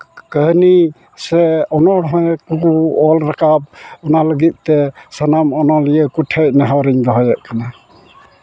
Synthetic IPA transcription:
kəɦni | sɛɔnɔɽɦɔkukuɔlɾakap̚ɔnaləɡit̪̚t̪ɛsənamɔnɔlijəkuʈʰɛc̚nɛɦawɾiɲd̪ɔɦɔjɛʔ̚kana

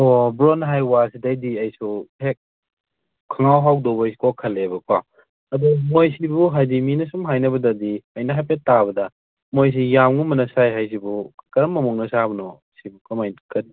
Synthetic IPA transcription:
ɔbɾonɦajwasidajdiɐjsuhek̚ | kʰɐŋawɦawdɔbɐjsi̥kɔkʰɐlebɐkwa | ɐdɔmojsibuɦajdiminɐsumɦajnɐbɐdɐdiɐjnɐɦajpʰetːaβɐdɐ | mojs̬ijamɡumɐnɐsajɦajs̬ibukɐɾɐmːɐmuŋnɐsabɐnɔ | sibukɐmajkɐdi

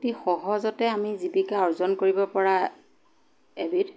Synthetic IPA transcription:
tixɔɦɔzɔtɛamizibikaɔɹzɔnkoɹibɔpɔɹa | ebiɹ

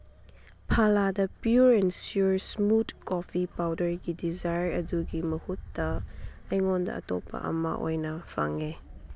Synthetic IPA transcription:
pʰaladɐpjuɹɛnsjuɹsmutkɔfipawdəɹɡidizajɹɐduɡimɐhutdɐɐjŋɔndɐ̰ʔːtɔ̰pa̰ʔɐ̰ma̰ʔojnɐfa̰ŋe

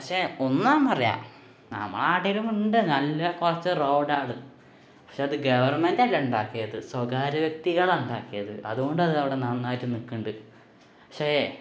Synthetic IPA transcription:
pɐkʂe̞ːonːaːmpɐrɐja̰ː | nɐ̰mːɐ̰ɭaːʈːiɾuŋɡuɳɖenɐlːɐkurɐt͡ɕːɨrowɖaːɭu | pɐkʂeːɐðɨɡɐʋɐrmendalːuɳɖaːkːijɐðɨswɐɡaːɾɐʋjɐk̚t̪iɣɐɭuɳɖaːkːijɐðɨ̰ʔɐ̰ðuɣo̞ɳɖɐðɨɐʋiɽenɐnːaːjitːɨnikːuɳɖɨ | pɐ̥kʂeː

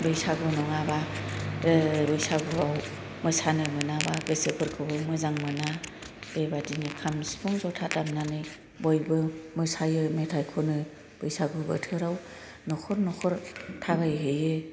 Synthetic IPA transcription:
bɯjsaɡɯnɔŋabadɯbɯjsaɡɯbaw | mɯsanɯmɯnabaɡɯsɯpʰɯɾkʰɯbɯmɯzaŋmɯna | b̥ebadinɯkʰamsibʰɔŋzɔtʰatamnanɯj | bɔjbɯmɯsajɯmetʰajkʰɔnɯ | b̥ɯjsaɡɯbɯ̰tʰɯɾaw | nɔkʰɔɾnɔkʰɔɾtʰaβajɦejɯ

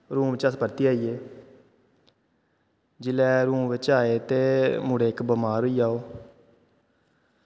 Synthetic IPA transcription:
ɾũːmʋɪt͡ʃaspəɾt̪iːaːiːeː | d͡ʒɪlɛːɾũːmʋɪt͡ʃaːeːt̪eːmʊɽeːkbəmaːɾɦoiːaːoː

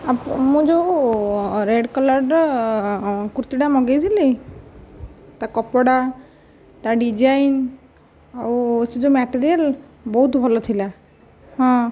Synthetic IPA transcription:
amũd͡ʒow | ɾeɖkɔlaɾɖ | kuɾt̪iɖamɔɡejt̪ʰili | t̪akɔpɔɽa | t̪aɖid͡ʒajn | awsed͡ʒomɛʈeɾial | bɔɦut̪bʱɔlɔt̪ʰila | hɔ̃

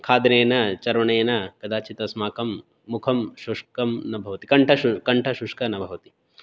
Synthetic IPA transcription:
kʰaːd̪ɐneːnɐt͡ʃɐɾʋɐɳeːnɐkɐd̪ʱaːt͡ʃit̪ɐsmaːkɐmː | ukʰɐmʃuʂkɐmnɐbʱɐʋɐt̪ikɐɳʈʰɐukɐɳʈʰɐʃuʂkɐnɐbʱɐʋɐt̪i̥

